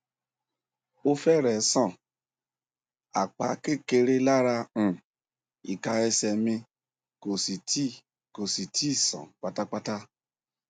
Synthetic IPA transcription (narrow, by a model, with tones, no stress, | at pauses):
o˦fɛ˦˨ɾɛ˨˦sɔ̃˦˨ | a̰˨k͡pa̰˨˦ke˦˨ke˧ɾe˦la˦ɾa˧ũ˨ | i˨ka˧ɛ˧sɛ˧mĩ˧ | ko˨si˨ti˦ | ko˨si˨ti˦˨sɔ̰̃˨k͡pa˦ta˦k͡pa˦ta˦